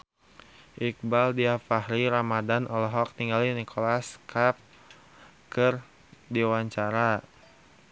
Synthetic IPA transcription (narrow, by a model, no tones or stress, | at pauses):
ʔik̚baldiafahɾiɾamadanʔɔlɔɦɔk̚niŋɡalinikʰolaskʰap̚ | kɨr | diwaɲt͡ʃaɾa